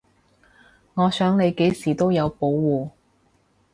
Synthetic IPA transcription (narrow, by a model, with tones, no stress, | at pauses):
ŋɔː˨˧sœː˨˥ŋle˨˧jke˨˥jsiː˨˩t̪o˥wjɐ˨˧wpo˨˧˥wːuː˨